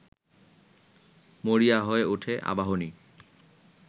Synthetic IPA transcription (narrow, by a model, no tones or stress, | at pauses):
moɾiaɦɔeuʈʰeʔa̰baɦoni